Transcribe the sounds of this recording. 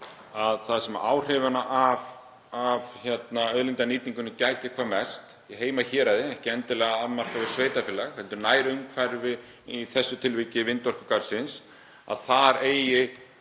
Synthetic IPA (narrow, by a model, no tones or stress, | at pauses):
aðθaðsɛma̰ɾʔaːwr̥ɛvanaʔav | avçɛt̪naœðlɪnt̪aniːt̪iŋkʏnːɪcaːjt̪ɪkʰvaːmɛst̪ | iɦeːjmaçɛːɾaðɪɛhcɪɛnt̪ɪlɛɣaamar̥kavɛɾ̥sveːjt̪afɛːlaxhɛlt̪ʏɾnaːjɾʏmkʰvɛɾvɪ | iθɛsːʏt̪ʰɪlvɪcɪvɪnt̪ɔr̥kʏkaɾsɪns | a̰ðθaðɾeːjjɪ